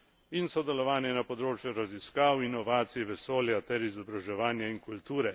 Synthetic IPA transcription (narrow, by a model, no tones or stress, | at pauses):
insɔd̪ɛlɔʋaːnjɛnapɔd̪ɾoːt͡ʃjuɾaziskaːwinɔʋaːt̪sijʋɛsoːljat̪ɛɾizɔbɾaʒɛʋaːnjaiŋkult̪uːɾɛ